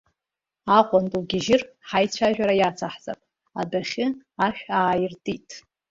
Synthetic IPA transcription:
aqʷʼantʼuɡʲɪʒɪrħajt͡ɕʷʰaʒᶣaɾajat͡sʰaħt͡sʼa̰pʼ | a̰daχʲɪaʃᶣaːjɪrtʼitʼ

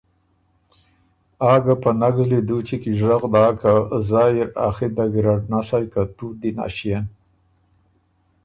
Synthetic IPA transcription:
ɑːɡapənaɡzlid̪ut͡ʃikiʒaɣd̪aːkazajiɾa̰xid̪aɡɾaɖnasajkat̪ud̪ina̰ʃijan

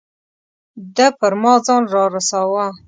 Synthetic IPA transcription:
d̪əpəɾmɑzɑnɾɑɾasawa

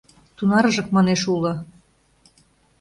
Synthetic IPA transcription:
t̪unɑɾɤ̆ʒɤ̆k̚mɑneʃulɤ̆

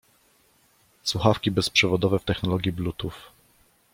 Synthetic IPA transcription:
swuxafkʲibɛspʂɛvɔd̪ɔvɛft̪ɛxnɔlɔɡʲjiblut̪uf

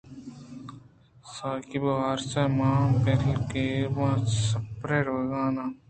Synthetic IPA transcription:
saːkibɐʋaːɾsaːmãːpeɾlkeːʋãːsɐpɾeːɾoːɡãːnaː

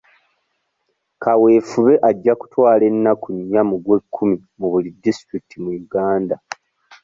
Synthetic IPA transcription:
kawe̞ːfuβe̞ʔaɟːaku̥twaːle̞nːakuɲːamuɡwe̞kʰːumi | muβulidːistɾikitʰimujuɡaːnda

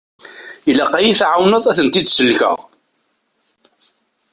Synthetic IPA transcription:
ilæqajiθʕawnəðˤæθənt̪id̪səlːçə̰ʁ

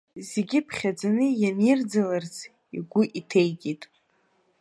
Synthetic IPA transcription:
zeɡʲɪpʰχʲad͡zanɨjamjɪrd͡zalart͡sʰ | ḭɡʷʊʔitʰejɡʲʼitʼ

